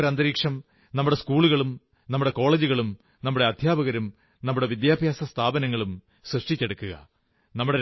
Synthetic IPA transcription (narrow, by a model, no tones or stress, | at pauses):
ɾɐnd̪ɐɾiːkʂɐm | nɐmːuɽeskuːɭuɣɐɭum | nɐmːuɽe̞ko̞ːɭeːd͡ʑuɣɐɭum | nɐmːuɽe̞ɐd̪ʱjaːbɐɣɐɾum | nɐmːuɽe̞ʋid̪jaːbʱjaːsɐst̪ʰaːbɐnɐŋːɐɭum | srɨʂʈit͡ɕːeɽukːuɣɐ̰ | nɐmːuɽe